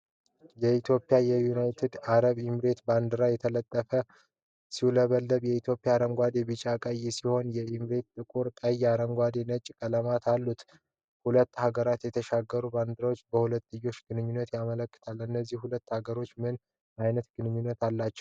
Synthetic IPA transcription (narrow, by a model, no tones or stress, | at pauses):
jɛit̪ʰjo̞pʼːjajɛjunajt̪ʰed̪aɾəβjɪmɾe̞t̪band̪ɨɾajɛt̪ʰələt̪ʼːəfə | siləβəlːəβjɛit̪ʰjo̞pʼijaɾəŋɡʷad̪ebɨt͡ʃʼakʼajisiho̞njɛjɪmɾe̞t̪t̪ʼɨkʼuɾk̪ʼəjaɾəŋɡʷad̪enət͡ʃʼkʼələmat̪ʰalːut̪ | hulət̪ːhaɡəɾat̪jɛt̪ʰəʃaɡːəɾuband̪ɨɾawo̞t͡ʃːbəhulət̪ːɨjo̞t͡ʃːɡ̥ɨnɨɲːunːət̪jamələkːɨ̥t̪ʰalɨnːəzːihhulət̪ːhaɡəɾo̞t͡ʃːmɨn | ajnət̪ɡ̥ɨnɨɲːunːət̪alːat͡ʃːɛ̥w